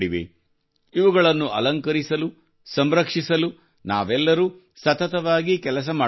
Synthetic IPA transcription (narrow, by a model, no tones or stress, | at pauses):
ɽiʋḛ | iʋuɡɐɭɐnːuʔɐlɐŋkɐɾisɐlu | sɐmɾɐkʂisɐlu | na̰ːʋɛlːɐɾuː | sɐt̪ɐt̪ɐʋaːɡikɛlɐs̬ɐmaː